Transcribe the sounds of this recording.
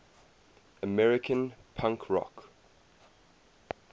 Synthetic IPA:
əmɛɹɪkʰə̃npʰãŋkʰɹɔ̰k

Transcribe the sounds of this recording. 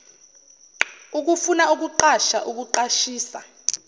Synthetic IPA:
uk̬ufunauk̬uǃaʃa̰ʔuk̬uǃaʃiːsa̰

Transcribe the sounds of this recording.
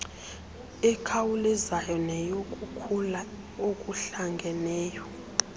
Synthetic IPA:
ɛkʰawulizajɔnɛjok̬ʼukʰula | ok̬ʼuɬaŋɡʱɛnɛːjɔ

